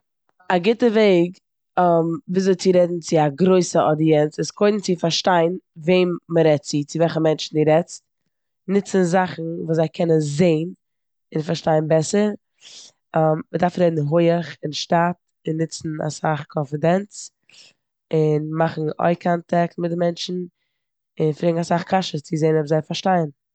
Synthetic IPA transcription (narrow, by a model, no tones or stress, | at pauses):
aɡɪtəveɪɡ | viːszoɪt͡sɪɾɛdn̩t͡sɪaɡɾoɪsəɔdiɛnsɪskʰoɪdn̩t͡sɪfaɾʃtaɪnveɪmməɾɛtt͡sit͡sɪvɛlχəmɛnt͡ʃn̩ɪɾɛt͡st | nɪt͡sən̩zaχn̩vuːszaɪkʰɛnənzeɪn | ɪnfaɾʃtaɪnbɛsəɾ | ammədaɾfɾɛdn̩ɦʊɪəχɪnʃtat | ɪnːɪt͡sn̩a̰saχkʰɔnfɪdɛnt͡s | ɪnmaχn̩ɔ̰ɪkʰantʰɛk̚tmɪdɪmɛnt͡ʃn̩ | ɪnfɾɪɡŋ̩asaχkʰaʃət͡sɪzeɪnɔpzaɪfaɾʃtaɪn